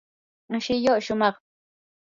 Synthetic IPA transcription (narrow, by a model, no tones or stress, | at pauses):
ʃɪjoʔʃʊmɑχ